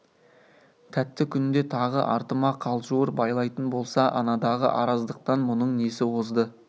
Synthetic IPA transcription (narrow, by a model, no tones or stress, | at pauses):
t̪ʰæt̪ːɪkʲʰʏnɪnd̪e̞t̪ʰɑʁə̰ʔɑ̰ɾt̪əmɑqʰɑlˠʒuəɾbɑjlˠɑjt̪ənbo̞lˠsɑʔɑnɑd̪ɑʁə̰ʔɑɾɑzd̪əq̚t̪ɑnmʊnəɴnesɪwozd̪ə